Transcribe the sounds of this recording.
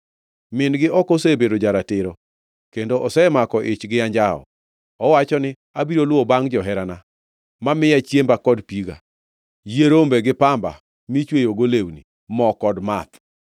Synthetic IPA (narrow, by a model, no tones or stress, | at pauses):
mɪnɡɪʔɔkosebeɾod͡ʒaɾatɪɾo | kendoʔɔsɛmakɔʔɪt͡ʃɡɪjaɲd͡ʒaɔ̰ | ɔwat͡ʃɔnɪ | abiɾolwobaŋd͡ʒɔɦɛɾana | mamɪjat͡ʃjembakɔdpiɡa̰ | jeɾombeɡɪpamba̰ | mit͡ʃwejoɡolewnḭ | mɔkɔdmat̪